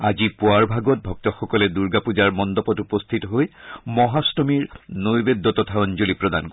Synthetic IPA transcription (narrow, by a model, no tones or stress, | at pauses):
azipuaɹbʱaɡɔt̚bʱɔk̚tɔxɔkɔlɛduɹɡapud͡ʒaɹmɔnd̪ɔpɔtupɔst̪ʰitɔɦojmɔɦastɔmiɹnojbed̪ːɔtɔtʰaɔnd͡ʒolipɹɔd̪a̰nk